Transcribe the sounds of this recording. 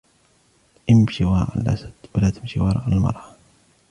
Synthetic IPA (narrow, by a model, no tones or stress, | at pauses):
ʔɪmʃiwɑːʔa̰lʔa̰sad̪̥walaːt̪ɪmʃiwɑːɾˤɑʔalmɑ̰ɾˤɑ